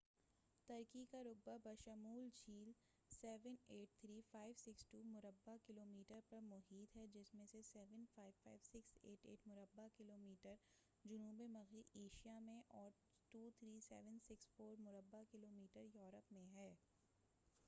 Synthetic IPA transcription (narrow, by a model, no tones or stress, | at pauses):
t̪ɐɾkikaɾʊk̚babɐʃəmuːld͡ʒʰiːl | sɛːʋəneːʈ̚t̪ʰɾiːfaːɪʋsɪksʈuːmʊɾəbːakɪloːmiːʈəɾpɐɾmʊɦiːt̪ɦɛd͡ʒɪsmẽsesɛːʋənfaːɪʋfaːɪʋsɪksḛːʈḛːʈmʊɾəbːakɪloːmiːʈəɾ | d͡ʒʊnuːbemɐɣieːʃijamẽʔɔːɾ | ʈuːt̪ʰɾiːsɛ̰ːʋənsɪksfoːɾmʊɾəbːakɪloːmiːʈəɾjɔːɾəpmẽɦɛː